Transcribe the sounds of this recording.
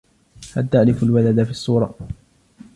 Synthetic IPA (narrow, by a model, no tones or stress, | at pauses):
halt̪aʕlɪfalwalad̪afiːɑsˤːuːɾˤɑ